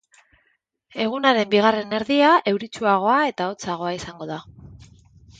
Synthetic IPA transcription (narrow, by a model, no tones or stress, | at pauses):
e̞ɣ̞unaɾe̞mbiɣ̞are̞ne̞ɾðiae̞wɾit͡ʃuaɣ̞o̞ae̞t̪ao̞t͡saɣ̞o̞aisaŋɡo̞ð̞a